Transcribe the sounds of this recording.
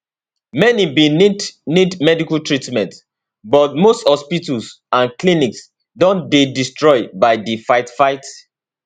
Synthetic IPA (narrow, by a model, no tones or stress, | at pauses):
mɛnibĩnnidmɛdikaltɹitmɛ̃nt | bɔtmosthɔspitus | ãnkliniks | dɔ̃ndedistɹɔɪbaɪdifaɪtfaɪt